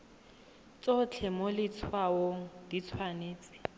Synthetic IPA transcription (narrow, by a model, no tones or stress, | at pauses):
t͡sʼot͡ɬʰɛmɔlɪt͡sʰwaoŋ̩d̥it͡sʰwaneːt͡sʼɪ̥